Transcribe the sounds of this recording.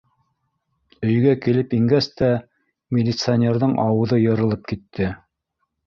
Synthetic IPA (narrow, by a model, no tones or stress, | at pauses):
ɵ̆jɡækilɘpiŋɡæst̪æ | mʲɪlʲit̪sɨanʲeɾðɤɴʔɑwɤ̆ðɤjɤ̆ɾɤ̆lˠɤp̚kit̪ːɘ